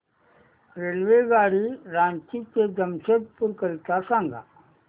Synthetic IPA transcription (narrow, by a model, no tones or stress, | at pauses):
ɾeːlʋeɡaːɽiɾãːnt͡ʃikeɡəmsəd̪̚pʊɾkəlt̪asãːŋɡʱa̰ː